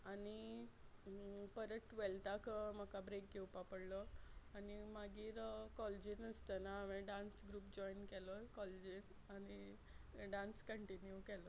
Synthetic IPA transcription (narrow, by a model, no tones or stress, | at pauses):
ani | pəɾəʈʋelt̪akm̤əkabɾek̚ɡewpapəɽlɔanimaɡiːɾkɔld͡ʑiəst̪ənaːmẽɖãnsɡɾuːp̚d͡ʑɔinkɛlɔkɔled͡ʑin | ani | ɖãnskəɳʈinjukɛlɔ